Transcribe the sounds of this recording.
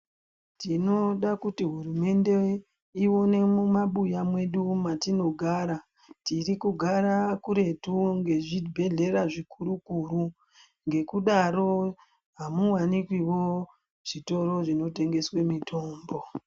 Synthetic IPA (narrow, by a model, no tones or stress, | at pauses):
tino̞ɗakutiɦurume̞nde̞ | iwo̞ne̞mumaɓujamwe̞ɗumatino̞ɡʱaːɾa | tirikuɡʱaɾakuɾe̞tuŋɡe̞ʐibʱe̞ɮe̞ɾaʐikʰuɾukuɾu | ŋɡe̞kuɗaɾo̞ | ɦamuwanikwiwo̞ | ʐ̥ito̞ɾo̞ʐino̞te̞ŋɡe̞swe̞mitʰo̞ːmbo̞